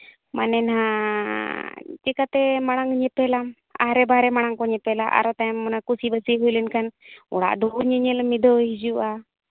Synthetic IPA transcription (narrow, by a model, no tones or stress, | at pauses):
manɛnha | t͡ʃɛkat̪ɛmaɽ̃aŋɲɛpɛlam | a̰ɾɛbaɾɛmaɽ̃aŋkɔɲɛpɛlaʔa̰ɾɔt̪amːɔnakusibəsiɦujlɛnkanṵɽa̰ʔd̪uuɲɛɲɛlmid̪ɔɦid͡ʒuʔa